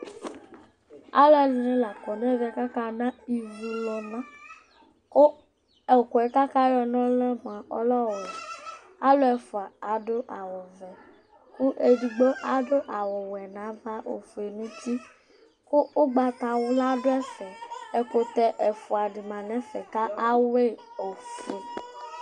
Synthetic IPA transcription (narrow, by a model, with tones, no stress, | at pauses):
a̰˦lo˦ɛ˨li˨nĩ˦la˨kɔ˨nɛ˦vɛ˨ka˦ka˦nã˦i˨vi˨lɔ˨nã˦ | ko˦ | ɛ˨ko˨ɛ˨˦ka˦ka˦jɔ˧nɔ̃˦lɛ˦m˨a˨ɔ̰˦lɔ˦wɔ˨ | a˦lo˦ɛ˨fʊ˨a˨a˨˦do˦ʔa˨wo˨vɛ˨ | ku˦ʔe˨du˨ɡ͡bo˦ʔa˦do˦ʔa˨wo˨wɛ˨nã˨˦va˦ʔo̰˨fu˨e˨nũ˦ti˦ | ko˦o˦ɡ͡ba˨t̪a˨wo˦la˦do˦ɛ˦sɛ˨ɛ˨ko˨t̪ɛ˨ʔɛ˨fu˨a˨di˨mã˨nɛ̃˨˦fɛ˨ka˦a˦we˦ | o˨fu˨e˨